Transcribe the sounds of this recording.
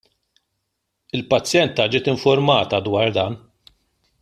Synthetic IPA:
ɪlpɐt͡sːjɛnt̪ɐd͡ʒɪːt̪ɪɱfʊɾmɐːt̪ɐd̪wɐːɾd̪ɐːn

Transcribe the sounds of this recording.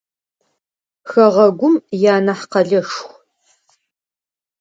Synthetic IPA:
xɐʁɐɡʷʊmjaːnɐħqɐɮɐʂxʷ

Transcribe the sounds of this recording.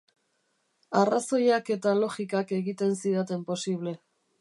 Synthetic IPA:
araso̞jake̞t̪alo̞ɣikake̞ɣit̪e̞nsiðat̪e̞mpo̞siβ̞le̞

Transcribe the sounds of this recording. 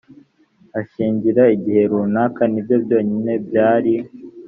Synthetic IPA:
aʃiːɲɟiɾaiɟihe̞ɾuːnaːkanibjo̞bɟo̞ːɲine̞b̚jaːɾi

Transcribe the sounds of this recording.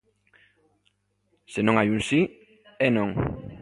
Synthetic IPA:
senõŋajunsi | enõŋ

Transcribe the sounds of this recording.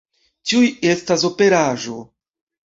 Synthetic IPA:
t͡ʃiuje̞stas̬o̞pe̞ɾaʒo̞

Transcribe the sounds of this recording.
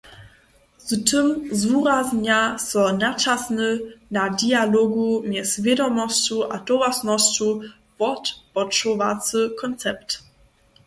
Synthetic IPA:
ztʰəmzuɾazɲasɔnat͡ʃasnənadialɔɡumjɛsvʲjɛdɔmɔst͡ɕuʔa̰dɔvasnɔst͡ɕu | vɔtpɔt͡ʃɔvat͡səkʰɔnt͡sɛp̚t

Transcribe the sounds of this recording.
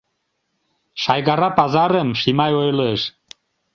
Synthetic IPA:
ʃɑjɣɑɾɑpɑzɑɾəmʃimɑjojləʃ

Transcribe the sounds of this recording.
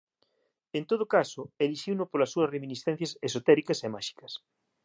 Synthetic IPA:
ent̪oðʊkasʊeliʃiwnʊpolɐsːuɐsreminisθɛn̟θjɐsesot̪ɛɾikɐsemaʃi̥kɐ̥s

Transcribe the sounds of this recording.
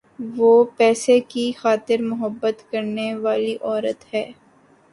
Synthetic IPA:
ʋoːpɛːsekixaːt̪ɪɾmʊɦəbːət̪kɐɾneʋaːliʔɔːɾət̪hɛː

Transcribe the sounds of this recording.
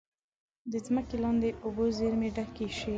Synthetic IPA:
d̪əzməkelɑnd̪eʔobozeɾmeɖakeʃe

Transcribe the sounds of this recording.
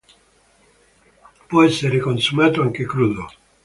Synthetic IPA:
pweseɾekonsumat̪oaŋkekɾuðo

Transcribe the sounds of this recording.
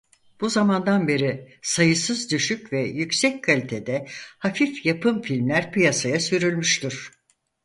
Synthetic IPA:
b̥uzamand̪anbe̞ɾi | sajɯsɯzd̪yʃycvɛjycsɛckʰalʲit̪ʰed̪ɛhafifjapɯmfilʲmlʲæɾpɯjasajasyɾylʲmyʃt̪yɾ̥

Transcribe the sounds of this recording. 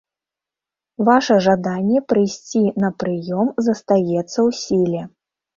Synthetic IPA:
vaʂɐʐad̪anʲːɛpɾɨjsʲt͡sʲinɐpɾɨjɔmzɐst̪ajɛt̪sːɐwsʲilʲɛ

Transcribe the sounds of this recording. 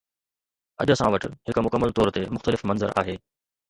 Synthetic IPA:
ɐ̰ʄəsãʋɐʈɪɦɪkmʊkəmːəlt̪ɔːɾt̪emʊxt̪əlɪfmɐ̃nzəɾa̰ːɦeː

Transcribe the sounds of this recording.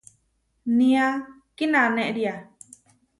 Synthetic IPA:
nĩa | kinãnẽʔɾia

